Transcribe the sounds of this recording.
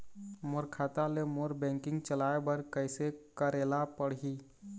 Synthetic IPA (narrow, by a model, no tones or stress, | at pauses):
moɾkʰaːt̪alemoːɾbɛ̃ːŋkɪ̃ŋɡt͡ʃəlaːebəɾkəɪsekəɾeːlapəɽɦiː